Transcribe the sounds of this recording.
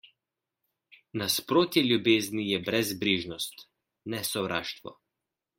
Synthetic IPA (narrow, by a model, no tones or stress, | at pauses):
naspɾoːt̪jɛlʲjubeːznijɛbɾɛzbɾiʒnɔst̪ | nɛsɔwɾʔa̰ːʃt̪ʋɔ̰